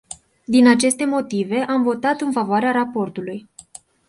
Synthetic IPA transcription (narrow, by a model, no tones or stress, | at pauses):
d̪inat͡ʃe̞st̪e̞mo̞t̪ive̞ʔamvo̞t̪at̪ɨnfavoaɾeaɾapo̞rt̪uluj